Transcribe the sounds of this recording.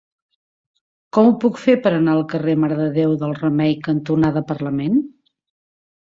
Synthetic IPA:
kɔmupukfepəɾənaəlˠkəreməɾəðəðewðəlˠrəmɛjkənt̪unaðəpərləmen

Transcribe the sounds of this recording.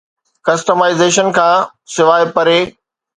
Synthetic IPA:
kɐsʈəmaːɪzeːʃənkʰãː | sɪʋaːɪpɐɾeː

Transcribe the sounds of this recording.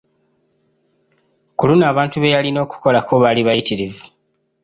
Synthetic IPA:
kulunaːβaːntuβe̞jalino̞ːku̥ko̞lakoβaliβajitiɾevu

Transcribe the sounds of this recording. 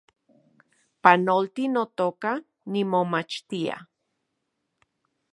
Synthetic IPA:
panolt̪inot̪oka | nimomat͡ʃt̪ia̰

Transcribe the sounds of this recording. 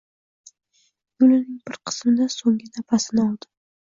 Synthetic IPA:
jʊlɪnɪŋbɪɾqʰɨ̥smɪd̪asoŋɡɪnapʰasɪnɒlˠd̪ɪ

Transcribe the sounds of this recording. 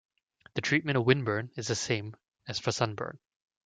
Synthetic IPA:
ðɨtʰɹ̥it̚mɨ̃ɾ̃ʌvwɪ̃nbɜ̃˞nɨzðɨsẽɪ̃m | ɨz̥fə˞sʌ̃nbɜ̰̃˞n

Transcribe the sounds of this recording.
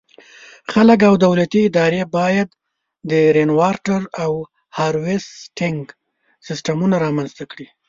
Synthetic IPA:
xalək̬awd̪awlat̪iɪd̪ɑɾebɑjad̪ː | əɾenwɑɾʈaɾaw | hɑɾwɪsʈɪŋɡ | sɪsʈamunaɾɑmanzt̪akɽi

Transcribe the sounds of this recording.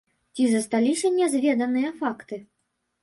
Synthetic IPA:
t͡sʲizɐst̪alʲisʲɐnʲɛzvʲɛd̪ɐnɨjɐfakt̪ɨ

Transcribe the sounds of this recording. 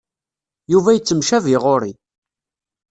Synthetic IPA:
juvæjət͡sːəmʃæviʁoɾi

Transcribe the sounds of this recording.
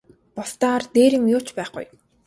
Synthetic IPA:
pɔst̪aːart̪eːɾɪ̆ŋjʊːt͡ɕpæːχʊ̰j

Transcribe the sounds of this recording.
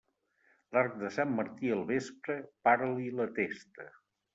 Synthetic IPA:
laɾk̚d̪əsamːəɾt̪iəlˠβespɾəpaɾlilət̪est̪ə

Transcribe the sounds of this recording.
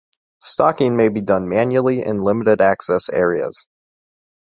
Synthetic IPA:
stɑkɪ̃ŋmeɪbidʌ̃nmæ̃njul̩ˠiʔɪ̰̃nlɪ̃məɾɨɾæksɛsɛ̰ɹiɨ̰z̥

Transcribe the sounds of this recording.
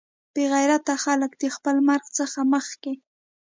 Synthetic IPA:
b̥eɣajɾat̪axaləkd̪əxpəlmaɾɣt͡səxaməxke

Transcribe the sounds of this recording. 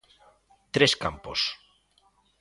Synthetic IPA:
t̪ɾeska̰mpos

